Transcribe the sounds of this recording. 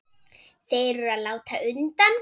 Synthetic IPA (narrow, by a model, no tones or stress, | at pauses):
θejɾʏaðlaːwt̪ʰaʔʏnt̪an